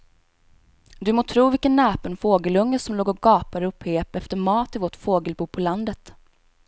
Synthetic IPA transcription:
d̪ɵmoːt̪ʰɾuːvɪlkənːɛːpənfoːɡəlɵŋːəsɔmloːɡɔɡɑːpaɾɵpːheːpɛft̪əɾmɑːt̪ɪvɔʈfoːɡəlbuːpʰɔland̪ət̪

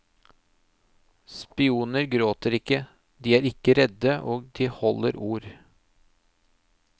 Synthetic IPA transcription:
spɪuːnəɾɡɾoːt̪əɾɪkːə | d̪iːæːɾɪkəɾɛd̪əʔoːɡd̪iːhɔləɾuːɾ

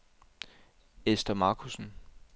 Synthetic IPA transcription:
esd̥ɐmɑ̈ːkʰusn̩

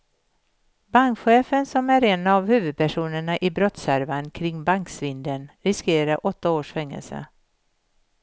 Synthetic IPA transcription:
baŋkɧeːfənsɔmæɾɛnavhʉ̟ːvɵd̪̚pʰæʂuːnəɳaʔɪbɾɔt̪sæɾvankʰɾɪŋːbaŋksvɪnd̪ənɾɪskeːɾaɾʔɔt̪ːaoːʂfɛŋːə̰lsə̰

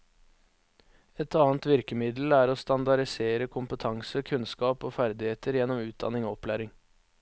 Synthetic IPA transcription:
ɛt̪ɑːnt̪ʋɪɾkəmɪd̪l̩æːɾoːst̪ɑnd̪ɑɾɪseːɾəkʰʊmpət̪ʰɑŋsəkʰʉnskɑːpoːfæɾd̪ɪheːt̪əɾjɛnɔmʉːt̪̚d̪ɑ̰nɪŋoːɔplæːɾɪŋ

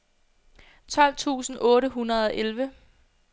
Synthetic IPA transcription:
t͡sʰɒ̽l̰t͡sʰṵːsn̩ʔɔ̽ːɾəɦunɐð̞ˠɒ̽ʔelʋə

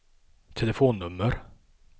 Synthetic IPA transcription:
t̪ʰɛləfoːnːɵmːəɾ

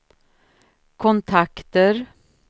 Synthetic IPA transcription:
kʰʊnt̪ʰakt̪əɾ

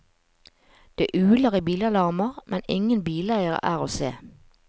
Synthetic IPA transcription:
d̪̥ḛːʔʉːləʁiːbiːlɑlɑʁməʁmʔɛnɪŋənbiːlæɪəʁə̰ʔæːʁoːsḛː

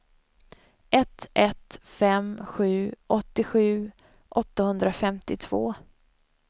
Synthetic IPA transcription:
ʔɛt̪ɛt̪fɛmɧʉ̟ːʔɔt̪ːɪɧʉ̟ː | ʔɔt̪ːahɵnd̪ɾafɛmt̪ɪt̪ʰv̥o̰ː

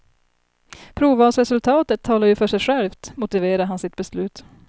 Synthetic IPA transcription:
pʰɾuːvɑːsɾɛsɵlt̪ʰɑːt̪ət̪ʰːɑːlaɾjɵfœʂɛjɧɛlft̪mʊt̪ɪveːɾaɦansɪt̪̚bɛslʉ̟ːt̪

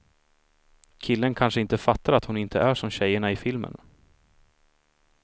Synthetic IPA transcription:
kʰɪlːənkʰanʂəɪnt̪əfat̪ːaɾat̪hʊnɪnt̪ʰəʔæʂɔmɕɛjːəɳaɪfɪlmə̰n

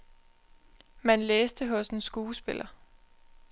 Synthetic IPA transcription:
mænleːsd̥əɦɔ̽sn̩sɡ̥uːsb̥e̝lʔɐ

